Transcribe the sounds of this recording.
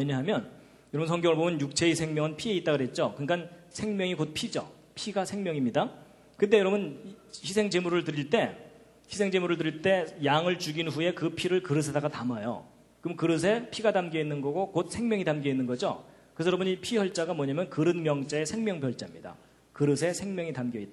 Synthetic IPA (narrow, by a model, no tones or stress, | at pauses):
weɲʌɦamjʌn | jʌɾʌbunsʰʌŋɡjʌŋɯɭbomjʌnjuk̚t͡ɕʰe̞isʰeŋmjʌŋɯnpʰie̞it͈̚aɡɯɾet̚t͡ɕ͈okɯŋɡansʰe̞ŋmjʌŋikot̚pʰid͡ʑʌ̰ | pʰiɡasʰe̞ŋmʲjʌŋimɲida | kɯt̬͈e̞jʌɾʌbunçisʰe̞ŋd͡ʑe̞muɾɯɭtɯɾiɭt͈e̞ | çisʰe̞ŋd͡ʑe̞muɾɯɭt̬ɯɾiɭt͈e̞jaŋɯɭt͡ɕuɡinɸuje̞kɯpʰiɾɯɭkɯɾɯs̬ʰedaɡatamajo̰ | kɯmkɯɾɯs̬ʰe̞pʰiɡatamɡʌinːɯnɡʌɡokot̚sʰe̞ŋmjʌŋitamɡʌinːɯnɡʌd͡ʑo̰ | kɯsʰʌɾʌbɲipʰiʌɭt͡ɕ͈aɡamwʌɲamjʌnkɯɾɯnmjʌŋt͡ɕ͈aesʰe̞ŋmjʌŋbjʌɭt͡ɕ͈amɲida̰ | kɯɾɯsʰe̞sʰe̞ŋmjʌŋitamɡjʌit͈̚